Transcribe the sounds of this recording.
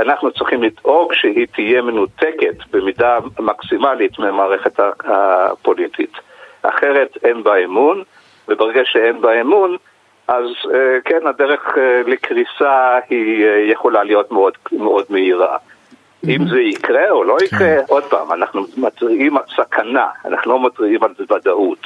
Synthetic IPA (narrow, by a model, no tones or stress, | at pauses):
anaχnut͡sʁiχimlido̞ɡʃeɦit̪ʰijeme̞nuteketbemidamaksimalitmeamaːʁe̞χetaapo̞litit | a̰χeʁe̞tenbaemun | vebeʁeɡaʃeenbaemun | ʔazekenadeʁe̞χlekʁisahijeχolalijo̞tmeodmeo̞dmeiʁa̰ | imzeikʁeo̞lo̞ikʁeʔo̞dpa̰ːma̰naχnumadʁiʔimalsakʰana̰a̰na̰χnulo̞matʁiimalzebadaut